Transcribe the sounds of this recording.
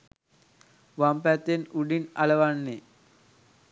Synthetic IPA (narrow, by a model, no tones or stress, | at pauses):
ʋampæt̪ːenuɖina̰ləʋanːe